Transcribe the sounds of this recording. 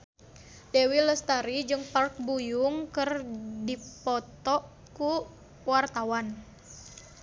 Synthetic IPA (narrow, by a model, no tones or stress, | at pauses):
dewiləst̪aɾid͡ʒɨŋpark̚bujuŋkɨrdipɔt̪ɔʔ | ku | wart̪awan